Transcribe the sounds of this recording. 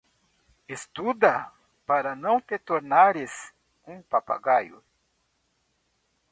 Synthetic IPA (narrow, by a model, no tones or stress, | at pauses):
est̪ud̪ɐ | paɾɐnɐ̃w̃t̪et̪oɾnaɾɪs | ũpapa̰ɡajʊ̰